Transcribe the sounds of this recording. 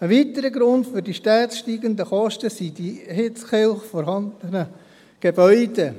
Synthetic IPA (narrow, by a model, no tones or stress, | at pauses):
əʋit̪əɾəɡɾʊndfʏɾdiʃtɛːtsʃtiːɡənd̪əχɔʃtəsid̥ihɪt͡sχɪlχfɔɾhɑndənə | ɡ̥ebœʏde